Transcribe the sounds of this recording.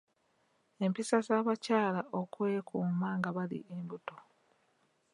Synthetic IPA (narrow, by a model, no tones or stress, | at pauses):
e̞mpisazaːβacaːlaʔo̞kwe̞ːkuːmaːŋɡaβalḭʔembuto̞